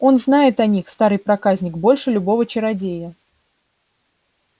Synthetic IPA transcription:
o̞nznajɪt̪ɐnʲixst̪aɾɨjpɾɐkazʲnʲɪkbo̞lʲʂɨlʲʊbo̞vət͡ɕɪɾɐdʲejə

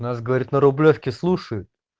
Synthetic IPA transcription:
nasɡəvɐɾʲit̪nəɾʊblʲofkʲɪslˠuʂəjʊt̪̚

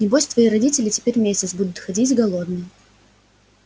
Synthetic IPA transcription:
nʲɪbosʲt̪vɐiɾɐdʲitʲɪlʲɪtʲɪ̥pʲeɾʲmʲesʲɪt̪sbud̪ʊt̪xɐdʲitʲɡɐlˠod̪nɨj

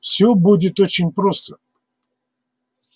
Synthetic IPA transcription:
fsʲobudʲɪt̪ot͡ɕɪnʲpɾost̪ə̥

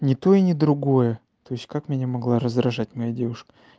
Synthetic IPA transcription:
nʲɪt̪o̞inʲɪd̪ɾʊɡo̞jə | t̪o̞jɪsʲtʲkakmʲɪnʲamɐɡlˠaɾəzd̪ɾɐʐatʲmɐjadʲe̞vʊʂkə̥

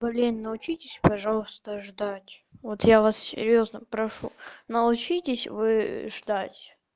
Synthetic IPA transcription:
bɐlʲenʲnəʊt͡ɕitʲɪsʲpɐʐɑlˠəst̪əʐd̪atʲvot̪javassʲɪ̰ɾʲjo̞znəpɾɐʂṵnəʊt͡ɕitʲɪsʲvɨʐd̪atʲ

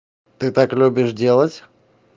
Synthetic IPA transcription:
t̪ɨt̪aklʲubʲɪʂdʲe̞lˠətʲ

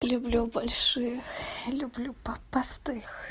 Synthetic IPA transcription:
lʲʊblʲubɐlʲʂɨjəxlʲʊblʲupɐpɐst̪ɨx

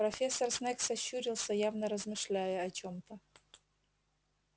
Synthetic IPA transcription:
pɾɐfʲesːərsnɛksɐɕːuɾʲɪlˠsʲəjavnəɾəzmɨʂlʲæjʊɐt͡ɕomt̪ə

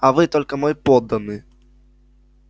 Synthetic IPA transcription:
ɐvɨt̪ɔlʲkɐmɔjpɔd̪ːɐnɨ

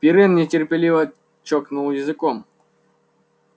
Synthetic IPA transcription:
pʲiɾɨnnʲɪtʲɪrpʲɪlʲivə | t͡ʃoknulˠjɪzɨkɔm

